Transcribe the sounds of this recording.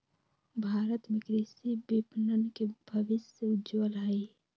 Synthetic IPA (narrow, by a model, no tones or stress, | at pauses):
bʱaːɾət̪mẽkɾisibipnənkebʱəʋɪsjəʊd͡ʒʋəlɦəi